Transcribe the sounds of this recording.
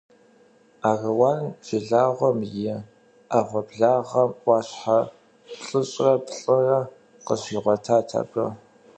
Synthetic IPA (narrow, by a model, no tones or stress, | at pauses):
aːɣɐwaːnʒɪɮaːʁʷɔmjɪ | aʁʷɔbɮaːʁɐmwʷɑːɕħa | pɬʼɨɕʼrɐpɬʼɨrɐ | qəɕiːʁʷɔtʰaːtʰa̰bʼɐ